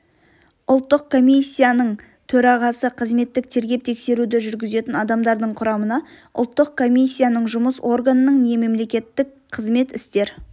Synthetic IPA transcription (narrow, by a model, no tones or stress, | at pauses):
ʊlˠt̪ːəq̚kʰo̞mʲijsʲːijanəɴ | t̪ʰɵɾɑʁɑsəqʰəzme̞t̪ːɪk̚t̪ʰe̞ɾɡʲe̞p̚t̪ʰe̞kse̞ɾud̪ɪʒʏɾɡʲɪze̞t̪ɪnɑd̪ɑmd̪ɑɾd̪əɴqʰʊɾɑmənɑ | ʊ̰lˠt̪ːəq̚kʰo̞mʲijsʲːijanəɴʒʊməso̞rɡanənəɴne̞me̞mle̞kʲe̞t̪ːɪk | qʰəzme̞t̪ɪst̪e̞ɾ